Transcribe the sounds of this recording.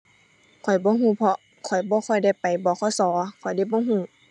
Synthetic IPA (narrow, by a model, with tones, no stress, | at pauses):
kʰɔ˨˩jbɔː˧˦ɦuː˧˥˨pʰɔ˧ | kʰɔ˨˩jbɔː˧˦kʰɔ˧˩jda˥˩jpa˨jbɔː˧˦kʰɔ˧˩jsɔː˨˦kʰɔ˨˩jda˧˥˨jbɔː˧˦ɦũː˧˩˨